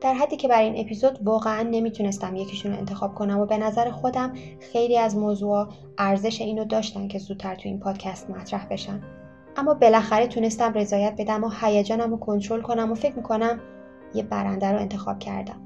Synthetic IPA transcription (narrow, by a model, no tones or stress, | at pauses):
d̪̥æɾɦæd̪ːiːcʰe̞bæɾine̞pʰizod̪vɒːɣeænːe̞mit̪ʰune̞st̪æmje̞cʰiʃuːnoe̞nt̪ʰe̞xɒːb̥̚kʰo̞næmobe̞næzæɾexo̞d̪æm | xe̞jliːæzmoːzuːɒː | ʔæɾze̞ʃe̞iːnod̪ɒːʃt̪æncʰe̞zuːd̪̥̚t̪ʰæɾt̪ʰuḭːnpʰɒːd̪̥cʰæst̪mæt̪ʰɾæhbe̞ʃæn | ʔæmːɒːbe̞læxæɾet̪ʰune̞st̪æmre̞zɒːjæt̪̚be̞d̪æmːɒhæjæd͡ʒɒːnæmokʰo̞nt̪ʰɾo̞lkʰo̞næmofe̞cʰmikʰo̞næm | jebæɾænd̪æɾoe̞nt̪ʰe̞xɒ̰b̥̚cʰæ̰ɾd̪æ̰m